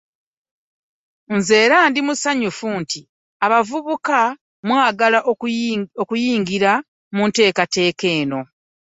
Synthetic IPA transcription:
nze̞ːɾaːndimusaɲufunti | aβavuβuka | mwaːɡalaʔ | okujiːŋɡiɾa | munte̞ːkate̞ːke̞ːno̞

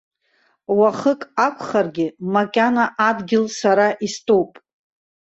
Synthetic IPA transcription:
waχəkʼakʷʰʼχarɡʲɪmakʲʼanaʔadɡʲɪlsaɾaʔistʼowpʼ

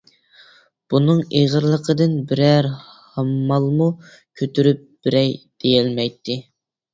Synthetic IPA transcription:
b̥unɨŋeʁəɾlˠəqʰəd̪ɨnbɪɾæɾhɑmːɑlˠmu | kʲʰøt̪ʰyɾyp̚b̥ɪɾɛjd̪̥ejɛlmɛjt̪ʰːɪ

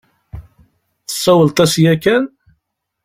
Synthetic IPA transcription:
θə̥sˤːæwəlt̪ˤæsjækːæn

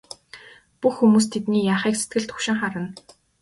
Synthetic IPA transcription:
puxːumuːs̬t̪ʰet̪niːjaːχiːkset̪ɡɘ̆ɮt̪ʰʊ̥kʃɪ̆ŋχaɾə̆n

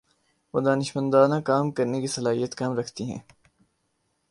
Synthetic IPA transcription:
ʋod̪aːnɪʃmə̃nd̪aːnãkaːmkɐɾnekisɐlaːɦijət̪kaːmɾɐkʰt̪iɦɛ̰̃ː

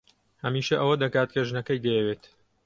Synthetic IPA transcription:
hɐmiːʃɐʔɐwɐd̪ɐkaːt̪̚kʰɐʒnɐkɐjd̪ɐjɛweːt̪

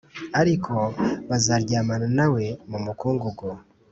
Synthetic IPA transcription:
aɾikʰo̞βazaɾɟaːmananawe̞mumukuːŋɡuɡo

